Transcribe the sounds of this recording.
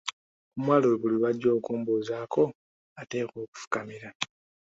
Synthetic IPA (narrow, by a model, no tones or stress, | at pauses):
kumwaːloweβuliβaɟːo̞ːkuːmbuːzaːko̞ | ate̞ːko̞ːku̥fu̥kamiɾa